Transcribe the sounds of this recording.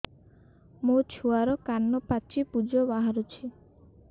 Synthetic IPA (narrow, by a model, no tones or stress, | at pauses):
mut͡ʃʰuaɾɔkanːɔpat͡ʃipud͡ʒɔbaɦaɾut͡ʃʰi